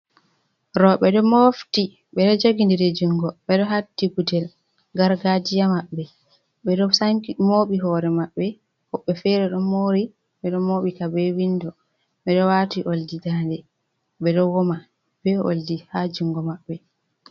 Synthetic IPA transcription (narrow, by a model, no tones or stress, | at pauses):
ɾɔɓɛɗɔmofti | ɓɛɗɔd͡ʒoɡindiɾed͡ʒuŋɡɔɓɛɗɔɦatːiɡudɛl | ɡaɾɡad͡ʒijamaɓːɛ | ɓɛɗɔsaŋkmoɓiɦɔɾɛmaɓːɛ | hɔɓːɛfɛɾɛɗɔmoɾi | ɓɛɗɔmoɓikabɛwindɔ | ɓɛɗɔwatiʔoldidandɛ | ɓɛɗɔwɔma | b̥ɛo̰ldihad͡ʒuŋɡɔmaɓːɛ